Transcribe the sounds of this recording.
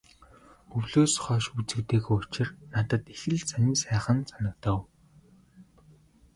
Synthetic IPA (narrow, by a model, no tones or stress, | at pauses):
ɵwɮoːsχœːʃut͡sɘ̆kt̪eːɣoːʊt͡ɕɪ̆rnat̪ə̆t̪exɘ̆ɮsanʲiːsæːχə̆nsanə̆k̚t̪əːw